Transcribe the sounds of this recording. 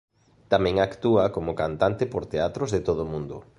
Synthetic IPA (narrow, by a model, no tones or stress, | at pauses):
t̪amɛ̃ŋakt̪uakomʊkant̪ant̪ɪpoɾt̪eat̪ɾozðɪt̪oðʊmũnd̪ʊ